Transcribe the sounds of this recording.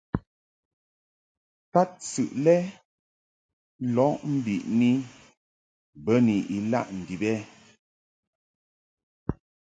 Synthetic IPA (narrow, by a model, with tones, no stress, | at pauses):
ta˦t̚sʉ˨ʔlɛ˦ | lɔ˨˦ʔm̩˦bi˨ʔni˦ | bə˦ni˨ʔi˨la̰˦ʔn̩˨di˨bɛ˦